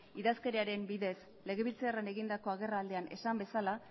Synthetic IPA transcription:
iðaske̞ɾeaɾe̞mbiðe̞s | le̞ɣ̞e̞βilt͡searane̞ɣind̪ako̞aɣ̞e̞raːld̪e̞ane̞̰sambe̞sala

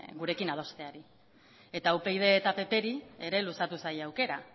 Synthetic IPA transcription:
ɡuɾe̞kinað̞o̞st̪e̞aɾi | e̞t̪aupe̞jð̞e̞ːt̪ape̞pe̞ɾieɾe̞lusat̪usajawke̞ɾa

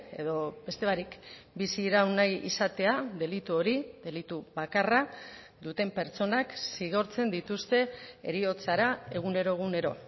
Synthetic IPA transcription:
e̞̰ðo̞be̞st̪e̞βaɾikbisiɾawnajḭsat̪e̞aðe̞lit̪uo̞ɾid̪e̞lit̪uβakara | d̪ut̪e̞mpe̞ɾt͡so̞naksiɣ̞o̞ɾt͡se̞nd̪it̪ust̪e̞e̞̰ɾio̞t͡saɾae̞ɣ̞une̞ɾo̞eɣ̞une̞ɾo̞̰

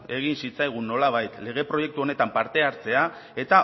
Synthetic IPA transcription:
e̞ɣ̞insit͡sajɣ̞unːo̞laβ̞ajt̪le̞ɣ̞e̞pɾo̞je̞k̚t̪uo̞ne̞t̪ampaɾt̪e̞aɾt͡se̞a | e̞t̪a

